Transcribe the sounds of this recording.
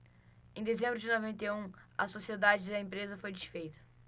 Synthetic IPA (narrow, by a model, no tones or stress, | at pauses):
ẽj̃d̪ezẽmbɾʊd͡ʒɪnovẽnt̪ejũɐsosied̪ad͡ʒɪd̪ɐẽpɾezɐfojd͡ʒiʃfejt̪ɐ̥